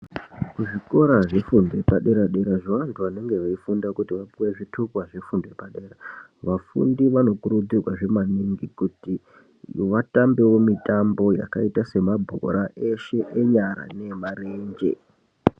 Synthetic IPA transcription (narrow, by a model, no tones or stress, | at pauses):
kuʐiko̞ɾaʐe̞funde̞paɗe̞ɾaɗe̞ɾaʐiwantʰuʋane̞ŋɡe̞ʋaifundakutiʋapuweʐitʰukwaʐe̞funde̞paɗe̞ːraʋafṵndiʋano̞kuɾud͡zirwaʐe̞maniŋɡikuti | ʋatambe̞wo̞mitambo̞ja̰kaitase̞mabʱo̰ɾaʔe̞ʃe̞ʔeɲaɾa̰ne̞maɾeːɲd͡ʒe̞̰